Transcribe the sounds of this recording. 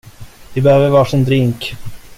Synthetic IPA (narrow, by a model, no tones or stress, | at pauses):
vɪbɛhøːvəɾvɑːʂɪnd̪ɾɪŋk